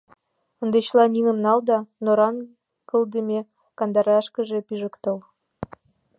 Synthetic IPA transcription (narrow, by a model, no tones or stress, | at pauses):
ə̆nd̪et͡ɕlˠɑnʲinə̆mnɑld̪ɑnoɾɑn | kɤ̆ld̪ə̆mʲe | kɑnd̪ɑɾɑʃkə̆ʒĕpiʒə̆kt̪ɤ̆l